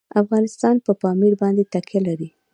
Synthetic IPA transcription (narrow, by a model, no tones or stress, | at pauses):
afɣɑnɪst̪ɑnpəpɑmiɽbɑnd̪et̪akʰelaɾi